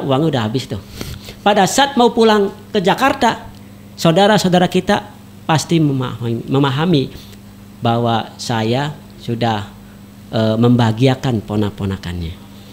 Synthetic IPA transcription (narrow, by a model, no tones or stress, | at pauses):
uwaŋudaɦabɪst̪upadasat̪̚maupulaŋk̪əd͡ʒakart̪a | sawdaɾasadaɾakit̪a | past̪immməmaɦami | bawasaja | sudah | ʔəməmbaɡiakanponaponaka̰nɲa